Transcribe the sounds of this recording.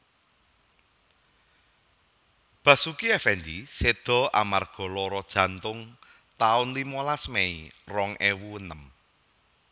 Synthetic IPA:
b̥ä̤sukiɛfɛnd̪ised̪̥ɔ̤a̰marɡ̥ɔ̤lɔɾɔd̥ʒ̥ä̤nt̪ʊŋ | t̪aʊnlimɔlasmeirɔŋʔewuənəm

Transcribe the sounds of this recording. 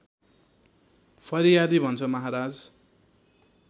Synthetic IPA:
pʰʌɾijad̪ibʱʌnt͡sʰʌmʌɦaɾad͡z

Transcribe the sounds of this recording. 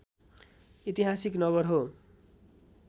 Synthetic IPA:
it̪iɦasiknʌβʌrɦo

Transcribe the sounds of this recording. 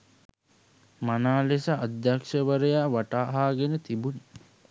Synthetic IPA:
manaːlesəad̪jakʂəʋəɾəjaːʋaʈaːɦaːɡenət̪ibuni

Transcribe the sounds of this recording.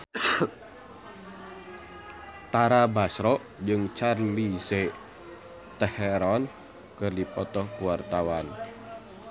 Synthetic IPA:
t̪aɾabasɾɔʔ | d͡ʒɨŋt͡ʃarmise | t̪ɛhɛɾɔn | kɨrdipɔt̪ɔhkuwart̪awan

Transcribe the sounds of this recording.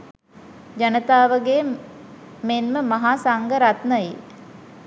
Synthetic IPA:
d͡ʒanət̪aːʋəɡeː | menməmaɦaːsaŋɡəɾat̪nəji

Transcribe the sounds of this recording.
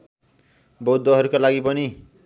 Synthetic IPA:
bowd̪ʱːoɦʌɾukolaɡipʌni

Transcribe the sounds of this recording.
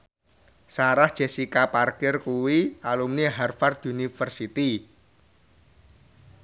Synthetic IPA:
saɾahd̥ʒ̥e̤sikaparkɪrkuwialumniɦarfard̪unifərsit̪i

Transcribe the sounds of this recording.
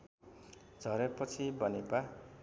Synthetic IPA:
d͡zʱʌɾepʌt͡sʰibʌneba

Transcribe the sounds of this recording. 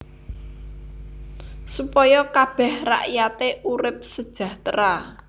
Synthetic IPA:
supɔjɔkab̥ɛhra̰ʔjat̪eʔuɾɪp̚səd̥ʒ̥ä̤ht̪ɾa

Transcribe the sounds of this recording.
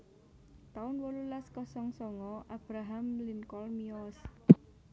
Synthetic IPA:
t̪aʊnwɔlulaskɔsɔŋsɔŋɔʔab̥ɾaɦamlinkɔlmiɔs

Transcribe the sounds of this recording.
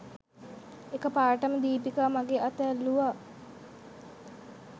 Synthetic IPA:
ekəpaːʈəməd̪iːpikamaɡeːʔat̪ɛːlːuʋaː

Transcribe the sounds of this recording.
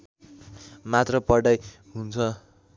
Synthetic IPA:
mat̪rʌpʌɽaj | ɦunt͡sʰʌ

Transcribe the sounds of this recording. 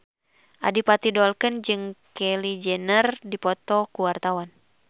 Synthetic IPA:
ʔa̰dipat̪idɔlkənd͡ʒɨŋkɛlid͡ʒɛnərdipɔt̪ɔkuwart̪awan

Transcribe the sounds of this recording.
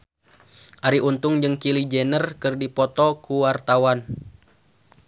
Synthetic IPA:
ʔaɾiunt̪ʊŋd͡ʒɨŋkilid͡ʒɛnərkɨrdipɔt̪ɔkuwart̪awan

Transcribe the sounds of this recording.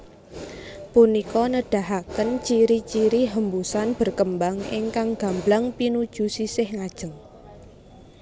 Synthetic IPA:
punikɔnəɖ̥a̤ɦakənt͡ʃiɾit͡ʃiɾiɦəmbusanb̥ə̤rkəmbaŋḭŋkaŋɡ̥a̤mblaŋpinud̥ʒ̥ṳsisɪhŋad̥ʒ̥ə̤ŋ

